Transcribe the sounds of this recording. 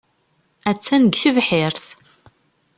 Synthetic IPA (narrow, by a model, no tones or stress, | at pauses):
æt͡sːænəɡθəvħɪɾθ